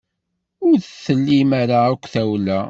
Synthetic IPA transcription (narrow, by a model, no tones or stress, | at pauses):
ʊɾθθːəlːimaɾaækʷːθæwlæ